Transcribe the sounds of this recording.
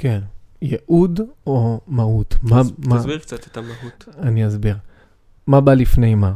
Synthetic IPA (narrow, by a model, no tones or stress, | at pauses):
kenjeʔudomaut̪mamaat̪t̪ɦutaniazbiʁ | mabalifnejma